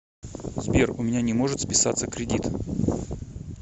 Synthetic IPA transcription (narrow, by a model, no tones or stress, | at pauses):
zbʲerʊ̰mʲɪnʲanʲɪmo̞ʐɨt̪spʲɪsat̪səkɾʲɪdʲit̪